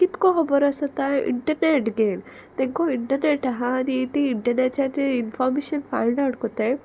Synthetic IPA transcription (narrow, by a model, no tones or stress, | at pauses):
kit̪koɦɔbɐɾɐsɐt̪ːaʔḭɳʈɐɾneʈɡeːn | t̪eŋkoiɳʈɐɾneʈɐɦaɐd̪iet̪iːɳʈɐɾneʈt͡ʃaɾt͡ʃeinfʰaːɾmeːʃɐnpʰa̰jɳɖaɽkot̪ːe